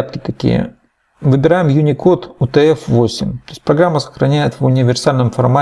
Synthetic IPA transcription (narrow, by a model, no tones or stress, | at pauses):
pt̪ʲɐ̥t̪ɐkʲḭjə̰ | vɨbʲɪɾajɪmjʊnʲɪko̞t̪ʊt̪ɨɛfvosʲɪmʲt̪oɪsʲt̚ʲpɾɐɡɾamːəsə̥xɾɐnʲæjɪt̪vʊnʲɪvʲɪrsalʲnɨmfɐrma